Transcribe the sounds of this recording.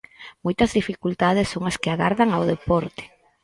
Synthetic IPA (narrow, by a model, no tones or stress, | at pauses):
mojt̪ɐzðifikult̪að̞esːoŋaskeaɣaɾðaŋaoðepɔɾt̪e̥